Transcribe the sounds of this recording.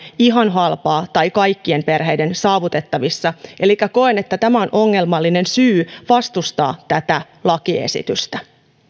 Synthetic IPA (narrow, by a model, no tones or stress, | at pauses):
iɦɑnɦɑlpɑːt̪ɑjkɑjkːie̞mpe̞rɦe̞jde̞nsɑːʋut̪e̞t̪ːɑʋisːɑʔe̞likːæko̞ene̞t̪ːæt̪æmæo̞nʔo̞ŋːe̞lmɑlːine̞nsyːʋɑst̪ust̪ɑ̰ːt̪æt̪æ | lɑkiḛsḭt̪yst̪æ